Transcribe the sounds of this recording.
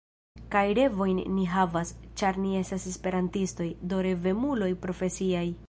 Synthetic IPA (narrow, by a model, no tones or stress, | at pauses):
kajɾe̞vo̞jnːiɦavast͡ʃaɾnie̞stasespe̞ɾantisto̞jdo̞ɾe̞ve̞mulo̞jpɾo̞fe̞siaj